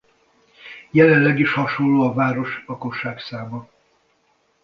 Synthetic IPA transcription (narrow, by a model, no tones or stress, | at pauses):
jɛlɛnlɛɡiʃhɒʃo̞llːoːɒvaːɾo̞ʃlɒko̞ʃːaːksaːmɒ